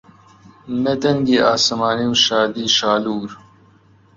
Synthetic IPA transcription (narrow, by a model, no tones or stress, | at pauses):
med̪ɐŋɡiaːsɐmaːniwʃaːd̪iːʃaːluːɾ